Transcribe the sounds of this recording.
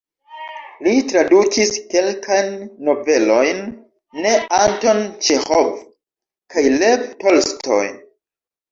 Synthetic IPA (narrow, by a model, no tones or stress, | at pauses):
litɾadukiske̞lkʰajnːo̞ve̞lo̞jnː | e̞anto̞nt͡ʃehov | kajle̞vtolstʰo̰j